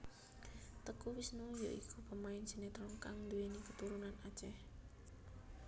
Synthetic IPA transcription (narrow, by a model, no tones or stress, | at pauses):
t̪əkuwɪsnujoʔikʰupəmaɪnd͡ʒ̥i̤net̪ɾɔŋkaŋd̪uwenikət̪uɾunanḁt͡ʃɛh